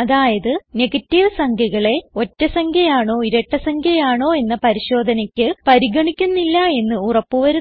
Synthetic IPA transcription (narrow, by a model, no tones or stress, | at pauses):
ɐðaːjɐðɨne̞ɡɐtːiʋɨsɐŋɡʱɐɣɐɭe̞o̞tːɐsɐŋɡʰʱjɐjaːɳo̞ːiɾɐʈːɐsɐŋɡʰʱjɐjaːɳo̞ːe̞nːɐpɐɾiɕo̞ːd̪ʱɐnɐkʲːɨpɐɾiɡɐɳikʲːunːilːɐe̞nːɨurɐpːɨʋɐɾu